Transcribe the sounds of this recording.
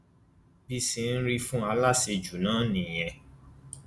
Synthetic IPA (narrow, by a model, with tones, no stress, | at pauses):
bi˧si˧n̩˦ɾi˧fũ˦a˧la˦se˧d͡ʒu˨nãː˦nĩ˨j̃ɛ̃˧